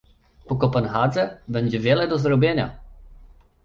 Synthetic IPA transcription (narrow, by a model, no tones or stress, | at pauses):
pɔkɔpanxad̪zɛbɛɲʲd͡ʑɛvʲjɛlɛd̪ɔzɾɔbʲjeɲa̰